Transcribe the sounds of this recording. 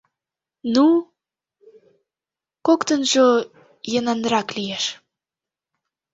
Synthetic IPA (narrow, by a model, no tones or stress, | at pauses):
nu | kokt̪ənʒo | jənɑnɾɑklieʃ